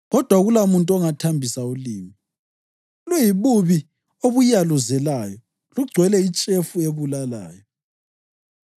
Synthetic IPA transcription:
ɣɔd̥ʱwaɣulamuntʼɔŋatʰambʱisauliːmi | lujiβuβi | oβujaluzɛlaːjɔ | luɡ͡ǀʱwɛlɛit͡ʃʼefueβulala̰ːjɔ

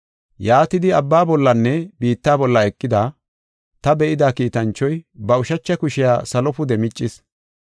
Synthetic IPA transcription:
jaːt̪ɪd̪ɪɐbːaːbɔlːɐnːɛbiːt̪ːaːbɔlːɐɛkʼːɪd̪a | t̪ɐbɛʔɪd̪akiːt̪ɐnt͡ʃːɔjbɐʊʃɐt͡ʃːɐkʊʃɪjaːsɐlɔpʊd̪ɛmɪt͡ʃʼːɪs

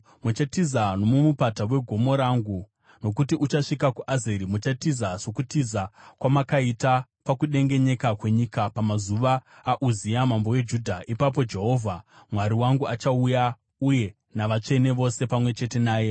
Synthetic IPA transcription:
mut͡ʃatizano̞mumupatawe̞ɡʱo̞mo̞ɾaːŋɡu | no̞k̬utiʔut͡ʃaʂikakuʔazeɾimut͡ʃatizaso̞kutizakwamakaitapakuɗe̞ŋɡe̞ɲe̞kakwe̞ɲikapamazuʋaːʔuzijamambo̞je̞d͡ʒudʱaʔipap̬o̞d͡ʒe̞ɦo̞ːvʱamwaɾiwaŋɡuat͡ʃauja | uje̞ | naʋat͡ʂe̞ne̞ʋo̞se̞pamwe̞t͡ʃe̞te̞naːje̞

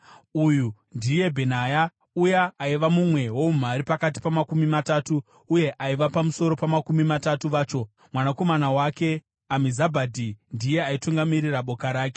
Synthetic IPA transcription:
uju | ndije̞bʱe̞naja | ujaːiʋamumwe̞wo̞umaɾipakat̬i̥pamakumimataːtuː | je̞ʔaiʋapamuso̞ɾo̞pamakumimatatuʋaːt͡ʃo̞ | mwanako̞manawake̞ | amizabʱadʱindije̞aituŋɡamiriraɓo̞kaɾaːke

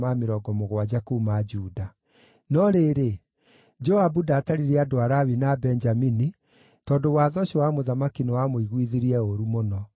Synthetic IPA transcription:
mameɾɔɡɔmoɣwad͡ʒakumad͡ʒuːda | nɔɾeɾe | d͡ʒɔabudaːtaɾiɾɛadoaɾawinabɛnd͡ʒamini | tɔːndowaːðɔɕiwamoðamakinɛwamoiɣwiðiɾiɛoɾumonɔ

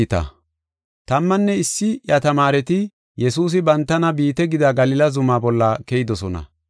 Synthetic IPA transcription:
t̪ɐ̰ | t̪ɐmːɐnːɛɪsːɪjɐt̪ɐmaːɾɛt̪ɪ | jɛsuːs̬ɪbɐnt̪ːɐnɐbiːt̪ɛɡɪd̪ɐɡɐlɪlɐzʊmaːbɔlːɐkɛjɪd̪ɔsɔnɐ̰

